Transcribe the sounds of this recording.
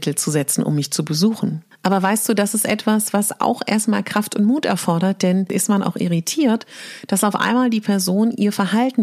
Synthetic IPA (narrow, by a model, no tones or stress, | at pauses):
tʰl̩t͡suzɛt͡sn̩ʔʊ̰mːɪçt͡subəzuːxn̩ʔaːbɐvaɪstd̥uːdasɪstʔɛ̰tv̥asv̥asa̰ʊxʔeːɐstmaːlkʁ̥aftʊntmuːtɛ̰ɐfɔɐɾɐt̚d̥ɛnʔɪ̰stmanʔa̰ʊxʔḭʁ̞itʰiːɐtd̥asaʊfʔa̰ɪnmaːldiːpʰɛɐzoːnʔiːɐfɛɐɦaltn̩